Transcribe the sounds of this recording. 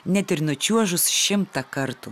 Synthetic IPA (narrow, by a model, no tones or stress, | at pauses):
nʲɛt̪ɪɾnʊt͡ʃʲuɔʒʊsʃʲɪmt̪ɐkɐɾt̪u